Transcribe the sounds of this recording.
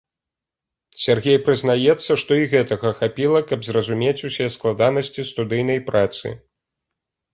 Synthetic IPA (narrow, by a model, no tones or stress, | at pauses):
sʲarɣʲejpɾɨzn̪ajɛt̪sːɐʂt̪ɔiɣɛt̪ɐɣɐxapʲilˠɐkɐbzrɐzumʲet͡sʲusʲiɛsklˠad̪anɐsʲt͡sʲist̪ud̪ɨjn̪ɐjpɾat̪sɨ̰